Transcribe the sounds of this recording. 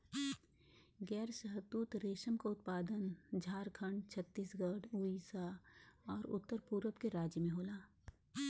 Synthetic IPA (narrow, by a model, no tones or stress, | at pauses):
ɡɛːɾʃəɦət̪ːuːt̪ɾeːʃəmkaʊt̪̚paːd̪ənd͡ʒʱaːɾkʰəɳɖt͡ʃʰɐt̪ːiːsɡəɽuːisaɔːɾʊ̰t̪ːəɾpuːɾəpkeɾaːd͡ʒjəmẽɦoːlaː